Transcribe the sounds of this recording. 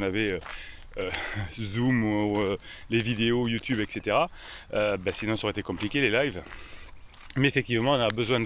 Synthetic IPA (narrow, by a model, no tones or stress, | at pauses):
navɛø | øzumuølevid̪eojut̪ybɛkset̪eʁa | øbɛsinɔ̃sɔʁet̪ekɔ̃plikʲelelajv | mɛefɛk̚t̪ivmɑ̃ɔ̃nabəzwɛ̃d̪